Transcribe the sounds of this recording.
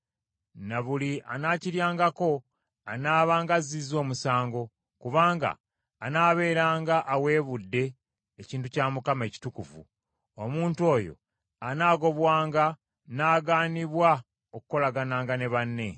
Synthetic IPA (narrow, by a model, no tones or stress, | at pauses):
naβuliʔa̰naːciɾjaːŋɡako̞ | anaːβaːŋɡazizo̞ːmusaːŋɡo̞ | kuβaːŋɡa̰ː | naːβe̞ːɾaːŋɡaʔːwe̞ːβudːe̞ː | ciːntucaːmukame̞ci̥tukuvṵ | omuːnto̞ːjo̞̰ | anaːɡo̞βwaːŋɡa | naːɡaːniβwa | oku̥ko̞laɡanaːŋɡane̞βanːe̞